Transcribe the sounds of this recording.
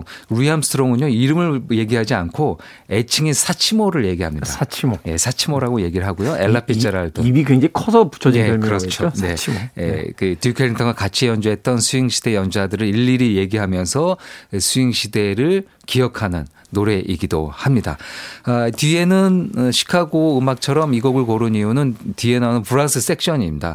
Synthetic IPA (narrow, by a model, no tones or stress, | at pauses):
ɾuiamstʰɯɾoŋɯnjoiɾɯmɯɭje̞ɡiɦad͡ʑiankʰo | e̞t͡ɕʰiŋesʰat͡ɕʰimoɾɯɭje̞ɡiɦamɲḭaat͡ɕʰimoje̞sʰat͡ɕʰimoɾaɡoje̞ɡiɾɭɦaɡojoe̞ɭːapʰit͡ɕ͈aɾaɭtoibikweŋd͡ʑeikʰʌsʰʌpu̥t͡ɕʰʌd͡ʑeemkɯɾʌt͡ɕʰoone̞t͡ɕʰioḛkɯtjukʰeɾintʰʌŋwakat͡ɕʰijʌnd͡ʑuɦe̞t̚t͈ʌnsʰuiŋɕʰi̥d̥e̞jʌnd͡ʑadɯɾɯɾiɭːiɾije̞ɡiɦamjʌnsʰʌesʰuiŋɕʰide̞ɾɯɭ | kiʌkʰanɯnːoɾe̞ʔiɡido̰hamɲida̰atie̞nɯnɕʰi̥kʰaɡoɯmak̚t͡ɕʰʌɾʌmiɡoɡɯɭkoɾɯnijunɯntie̞nanɯnpʰɯɾansʰɯs͈e̞k̚ɕ͈ʌɲimɲda̰